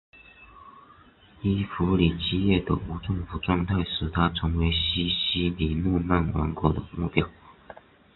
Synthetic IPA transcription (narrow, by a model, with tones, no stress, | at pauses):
i˥fu˧˥li˨˩t͡ɕi˥˧jɛ˥˩d̪ə˨u˧˥ʈ͡ʂɤ˥˩ŋfu˨˩˦ʈ͡ʂwɑ˥˧ŋt̪ʰa˥˩ɪʂɻ̩˨˩t̪ʰa˥ʈ͡ʂʰɤ˧˥ŋwe˧˥ɪɕi˥ɕi˥li˨˩nu˥˧na˥˩nwɑ̰˧˥ŋkwɔ˧˥d̪ə˨˩mu˥˩pjɑ˥ʊ